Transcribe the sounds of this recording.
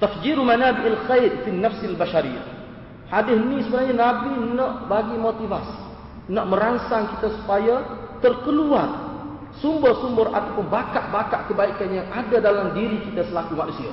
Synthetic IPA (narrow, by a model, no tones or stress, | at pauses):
t̪afd͡ʒiɾumanabɪʔalxajdfinːafsalbaʃaɾija̰h | hadɪhnĩsəbənarɲanabinaʔbaɡimot̪ivas | naʔmə̃ɾaŋsaŋkit̪asu̥pajat̪ərkəluar | sumbʊrsumbʊra̰t̪awpʊnbakaʔbaka̰ʔkəbaikanjaŋadadalamdiɾikit̪asəlakumanusia̰